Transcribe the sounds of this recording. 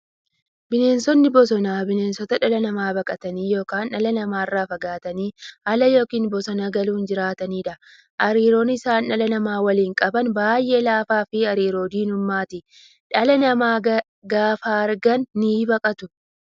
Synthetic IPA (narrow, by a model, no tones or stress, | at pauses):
bɪne̞ːnsɔnːɪbɔs̬ɔnaːbɪneːnsɔt̪ɐᶑɐlɐnɐmaːbɐkʼɐt̪ɐniːjo̞ːkaːnːɐlɐnɐmaːɪrːaːfɐɡaːt̪ɐniːhɐlɐjo̞ːkiːnbɔsɔnaɡɐluːnd͡ʒɪɾaːt̪ɐniːᶑɐ | ʔɐɾiːɾo̞ːnɪsaːnːɐlɐnɐmaːwɐliːŋkʼɐbɐnbaːjʔe̞ːlaːfaːfɪɐɾiːɾo̞ːd̪iːnʊmːaːt̪ɪ | ᶑɐlɐnɐmaː | ɡaːfaːɐɾɡɐnːiːbɐkʼɐt̪ʊ